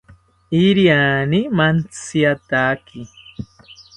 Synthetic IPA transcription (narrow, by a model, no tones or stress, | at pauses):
iɾjanimant͡siat̪aːki